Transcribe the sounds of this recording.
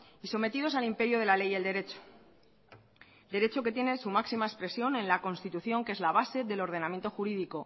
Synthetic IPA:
iso̞me̞t̪iðo̞salimpe̞ɾjoð̞e̞lale̞jeld̪e̞ɾe̞t͡ʃo̥ | d̪e̞ɾe̞t͡ʃo̞ke̞t̪je̞ne̞sumaksimaespɾe̞sjo̞nẽ̞nlako̞nst̪it̪uθjo̞ŋke̞zlaβ̞ase̞ðe̞lo̞ɾð̞e̞namje̞nt̪o̞xuɾiðiko̞

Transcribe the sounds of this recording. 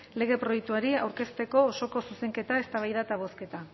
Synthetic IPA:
le̞ɣ̞e̞pɾo̞jek̚t̪uaɾiawɾke̞st̪e̞ko̞ːso̞ko̞suse̞ŋke̞t̪aest̪aβ̞ajðat̪aβo̞ske̞t̪a

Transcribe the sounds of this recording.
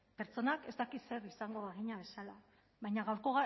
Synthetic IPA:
pe̞ɾt͡so̞nake̞zt̪akise̞ɾisaŋɡo̞βaɣiɲaβe̞sala | βajɲaɣawɾko̞ɣa

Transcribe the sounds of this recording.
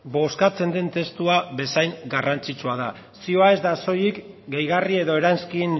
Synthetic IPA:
bo̞skat͡se̞nd̪e̞nt̪e̞st̪uaβe̞sajŋɡarant͡sit͡suað̞a | sio̞ae̞zd̪aso̞jik | ɡejɣarie̞ðo̞e̞ɾanskin

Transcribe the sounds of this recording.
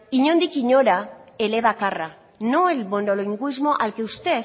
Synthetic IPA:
iɲond̪ikiɲo̞ɾaele̞βakara | noelmonoloiŋɡuizmo̞ʔalkeust̪e̞

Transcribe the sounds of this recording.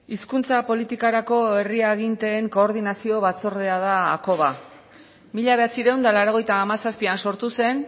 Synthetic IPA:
iskunt͡sapo̞lit̪ikaɾako̞e̞riaeɣint̪e̞ːŋko̞ːɾðinasio̞βat͡so̞ɾðe̞að̞aːko̞βa | miʎaβe̞at͡siɾe̞wnd̪alaɾo̞ɣ̞e̞jt̪aːmasaspianso̞ɾt̪use̞n

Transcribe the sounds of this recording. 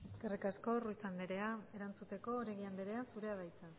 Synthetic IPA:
e̞ske̞rikasko̞ruit͡sand̪eɾe̞ae̞ɾant͡sut̪e̞ko̞ːɾeɣiand̪eɾe̞asuɾe̞aðajt͡sa

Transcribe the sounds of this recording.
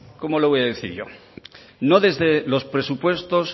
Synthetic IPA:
ko̞mo̞loβo̞jaðeθḭɾʝo̞̰ | no̞ðe̞zðelo̞spɾe̞supwe̞st̪o̞s

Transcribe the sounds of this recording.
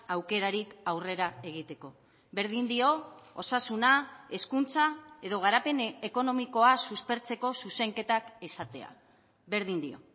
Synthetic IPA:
awke̞ɾaɾikawre̞ɾae̞ɣ̞it̪e̞ko̞ | βe̞ɾð̞ind̪io̞osasunae̞skunt͡sae̞ðo̞ɣ̞aɾape̞neko̞no̞miko̞asuspe̞ɾt͡se̞ko̞suse̞ŋke̞t̪ake̞sat̪e̞̰a̰ | βe̞ɾðind̪io̞̰

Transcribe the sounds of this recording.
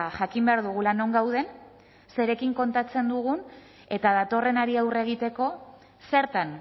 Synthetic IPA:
ʝakimbe̞aɾðuɣ̞ulano̞ŋɡawð̞e̞n | se̞ɾe̞kiŋko̞nt̪at͡se̞nd̪uɣ̞un | e̞t̪aðat̪o̞re̞naɾiawre̞ɣ̞it̪e̞ko̞ | se̞ɾt̪an

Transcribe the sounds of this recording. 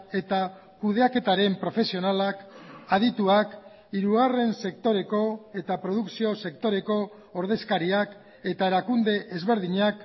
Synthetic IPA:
e̞t̪a | kuð̞e̞ake̞t̪aɾe̞mpɾo̞fe̞sio̞nalakaðit̪uak | iɾuɣare̞nse̞kt̪o̞ɾe̞ko̞e̞t̪apɾo̞ð̞uksio̞se̞kt̪o̞ɾe̞ko̞ː | ɾð̞e̞skaɾiak | e̞t̪aeɾakund̪e̞ʔːzβe̞ɾðiɲak

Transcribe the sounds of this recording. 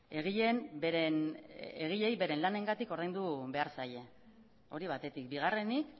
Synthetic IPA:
e̞ɣ̞iʎe̞nbeɾeneɣ̞iʎe̞jβe̞ɾe̞nlane̞ŋɡat̪iko̞ɾð̞ejnd̪uβe̞aɾsaje̞ | o̞ɾiβ̞at̪e̞t̪ik̚biɣ̞are̞nik

